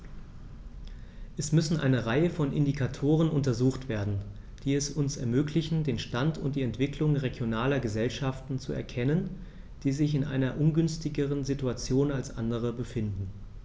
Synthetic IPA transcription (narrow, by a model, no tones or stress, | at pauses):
ʔɛsmʏsn̩ʔa̰ɪnəʁaɪəfɔnʔɪ̰ndikʰatʰoːʁ̞ənʔʊntɐzuːxtv̥eːɐdn̩ | d̥iːɛsʊnsɛ̰ɐmøːklɪçn̩deːnʃtantʰʊnt̚d̥iːɛntv̥ɪklʊŋʁeɡjonaːlɐɡəzɛlʃaftn̩t͡suɛ̰ɐkʰɛnən | d̥iːzɪçɪnʔa̰ɪnɐʔʊnɡʏnstɪɡəʁənzituat͡sjoːnalsʔa̰ndəʁ̞əbəfɪndn̩